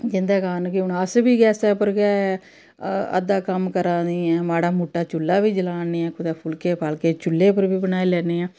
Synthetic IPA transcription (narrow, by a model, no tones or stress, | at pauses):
d͡ʒɪnd̪ɛːkaːnkɪʊnaːsbiːɡɛːsɛːpəɾɡɛː | ə̰d̪aːkəmkəɾãːiːɛːmaːɽaːmuʈːaːt͡ʃʊlːaːʋiːd͡ʒəlaːneːɛ̃ːkʊd̪aːpʰʊlkeːpʰaːlkeːt͡ʃʊlːeːpəɾbiːbənaːiːlɛːneːɛ̃ː